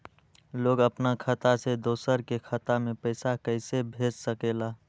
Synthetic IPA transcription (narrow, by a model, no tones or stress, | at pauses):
loːɡəpnakʰət̪ased̪oːsəɾkekʰət̪amẽpəɪsakəɪsebʱeːd͡ʒsəkeːla